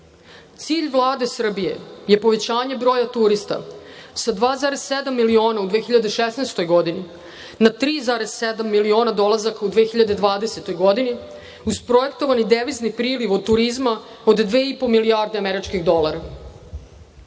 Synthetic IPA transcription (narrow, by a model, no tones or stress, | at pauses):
t̪siːʎʋlˠaːd̪e̞sr̩bije̞̰je̞po̞ʋe̞t͡ɕaːɲebɾo̞ːjat̪uɾist̪a̰sad̪ʋaːzaːɾez̥sed̪amːilio̞ːnaud̪vʋeːxiʎad̪eʃesneːst̪o̞jɡod̪ini | nat̪ɾiːzaːɾez̥sed̪amːilio̞ːnad̪o̞lˠazakaud̪ʋeːxiʎad̪ed̪ʋaːd̪ese̞t̪o̞jɡo̞d̪ini | uspɾoje̞kt̪o̞ʋanid̪eʋiznipɾiːliʋod̪̚t̪uɾizma | od̪d̪ʋeːipo̞miliaɾd̪eameɾit͡ʃkiɣd̪o̞lˠaɾa